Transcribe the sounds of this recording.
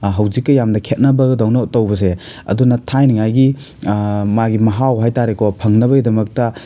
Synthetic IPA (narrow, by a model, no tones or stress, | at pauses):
ɦɐwzikːɐjamdɐkʰet̚nɐbɐɡɐdawnatɐwbɐs̬e | ɐ̰dunɐtʰajniŋajɡi | maɡimɐɦawɦajtaɾekʰɔpʰɐŋnɐbɐɡidɐmɐk̚tɐ